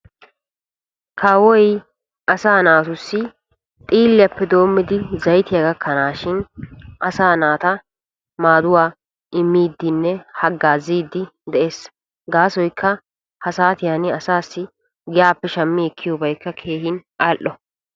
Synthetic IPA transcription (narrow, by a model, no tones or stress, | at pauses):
kʰaːwɔj | ʔɐsaːnaːt̪ʊsːɪ | t̪ʼiːlːɪjɐpːɛd̪o̞ːmːɪd̪ɪzɐjt̪ɪjaɡɐkʰːɐnaːʃɪnʔɐsaːnaːt̪ɐ | maːd̪ʊwaː | ɪmːiːd̪ːɪnːɛhɐɡːaːziːd̪ːɪd̪ɛʔe̞ːs | ɡaːsɔjkʰːɐ | hɐsaːt̪ɪjanɪɐsaːsːɪ | ɡɪjaːpːɛʃɐmːɪɛkʰːɪjobɐjkːɐkʰe̞ːhɪnaːlʔːɔ